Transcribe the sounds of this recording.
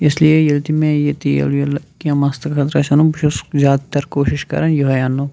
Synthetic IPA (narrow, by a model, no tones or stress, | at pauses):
ɪsliejɐlt̪imẽjet̪ijɐ̰ljɐlkiɐ̃maːst̪ɐkxʰɐt̪ɾɐʃɐnubʃuszaːd̪t̪ːɐɾkoːʃɪʃkɐ̰ɾɐnjoɦɐjaːnːo